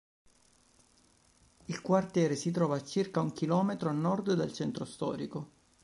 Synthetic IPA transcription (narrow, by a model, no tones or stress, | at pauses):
ilkwart̪jɛːɾesit̪̬ɾɔːvaːt͡ʃːirkauŋk̟ilɔːmet̪ɾoannːɔrd̪d̪alt͡ʃɛnt̪ɾost̪ɔ̰ːɾiko